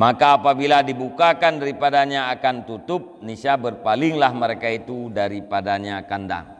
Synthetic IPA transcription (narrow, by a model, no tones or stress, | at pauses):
makaːpabiladibukakandaɾipadaɲaːkant̪ut̪ʊp̚nisabərpalɪŋlahməɾekait̪udaɾipadaɲaːkanda̰ŋ